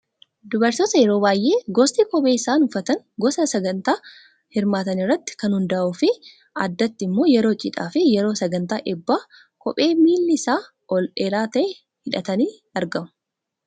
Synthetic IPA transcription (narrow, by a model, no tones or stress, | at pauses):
d̪ʊbɐɾt̪oːt̪ɐjɛɾo̞ːbaːjʔe̞ːɡɔst̪iːkɔbʼeːɪsaːnʊfɐt̪ɐŋ | ɡɔsɐsɐɡɐnt̪aː | hɪɾmaːt̪ɐnɪrːɐt̪ːɪ̥kɐnhʊnd̪ɐʔʔʊfɪ | ɐd̪ːɐt̪ːɪɪmːo̞ːjɛɾo̞ːt͡ʃʼɪ̰ᶑa̰ːfɪjɛɾo̞ːsɐɡɐnt̪aːʔɛbːaː | kɔpʼe̞ːmiːlːɪɪsaː | ʔɔlᶑeːɾaːt̪ɐʔɛ | hɪᶑɐt̪ɐniː | ɐɾɡɐmʊ